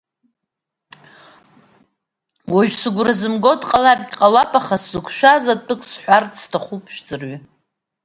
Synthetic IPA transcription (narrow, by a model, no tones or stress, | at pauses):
waʒᶣsɨɡʷrazɨmɡo̞dqʼalarɡʲqʼalapʼaχaszɨkʷʰʃᶣazatʼɨkʷʼʰsħʷᶣart͡sʰʼstʰaχupʼʰʃᶣd͡zɨrɥi